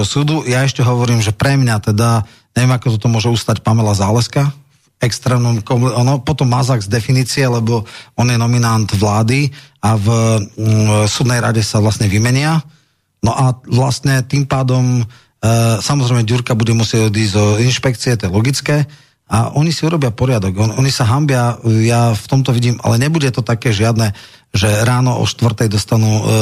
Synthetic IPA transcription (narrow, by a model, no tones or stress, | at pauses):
suːd̪ujaɛʃcɛɦɔʋɔɾiːmʒɛpɾɛmɲat̪ɛd̪a | ɲɛʋɪɛmakɔt̪ɔt̪ɔmʊɔʒɛust̪acpamɛlazaːlɛska | ɛkst̪ɾɛːmnɔmkɔmanɔpɔt̪ɔmːazaɡzd̪ɛfiniːt͡siɛlɛbɔɔnjɛnɔminand̪ʋlaːd̪iav | suːd̪nɛjɾa̰ɟɛsaʋlasɲɛʋimɛɲɪa | nɔʔaʋlast̪ɲɛt̪impaːd̪ɔm | samɔzɾɛjmɛɟuɾkabuɟɛmusɪɛɟɔd̪iɟzɔinʃpɛk̚t͡siɛt̪ɔjɛlɔɡit͡skɛː | a̰ʔɔɲisiuɾɔbɪapɔɾɪad̪ɔɡɔɔɲisaɦambɪajaft̪ɔmt̪ɔʋiɟiːmʔa̰lɛɲɛbuɟɛt̪ɔt̪akɛːʒɪad̪nɛʒɛɾaːnɔʔɔ̰ʃt̪ʋr̩t̪ɛjd̪ɔst̪anuː